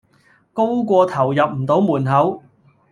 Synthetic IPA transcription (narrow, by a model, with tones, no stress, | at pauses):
ko˥wkʷɔː˧t̪ʰɐ˨˩wjɐ˨p̚m̩˨˩t̪o˨˥wmuː˨˩nɦɐ˨˥w